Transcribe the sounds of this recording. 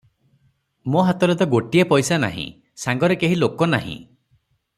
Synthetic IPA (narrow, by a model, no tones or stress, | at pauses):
moɦat̪ɔɾɔt̪ɔɡoʈiepɔjsana̰ɦḭ̃ | saŋɡɔɾekeɦilokɔna̰ɦḭ̃